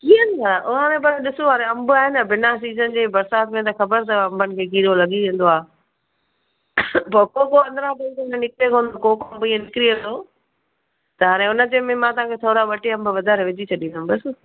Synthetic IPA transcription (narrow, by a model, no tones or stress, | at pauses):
kĩːnd̪aːɾaʔʊɦɦaːɾẽpɐɾɗɪsoɦaːɾẽɐ̃mbʊaːɦɪnəbɪnas̬iːzənd͡ʑeːbɐɾsaːt̪mẽt̪ɐxɐbəɾt̪ɐɐ̃mbənɪ̆kʰeːkiːɾolɐɠiẽːnd̪oaːɦ | pɐɾkoːkoɐ̃nd̪əɾaʈek̪enənɪkɾekʰõːnd̪okoːkoɐ̃mbĩːẽnɪkɾiʋə̃nd̪oː | t̪ɐɦaːɾ̃ẽʊnə̆d͡ʑẽːmẽmãːt̪ɐɦãkʰeːt̪ʰoːɾaʋɐʈeɐ̃mbʊʋɐd̪ʱaːɾeʋɪd͡ʑit͡ɕʰɐɗĩːnd̪əmbɐs